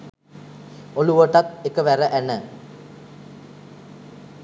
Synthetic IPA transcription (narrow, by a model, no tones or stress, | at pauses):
oluʋəʈat̪ekəʋæɾəʔænə